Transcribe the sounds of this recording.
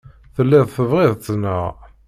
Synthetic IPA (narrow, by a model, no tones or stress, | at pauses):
θəlːiðˤθəvʁɪðˤt͡s̪ːənːə̰ʁ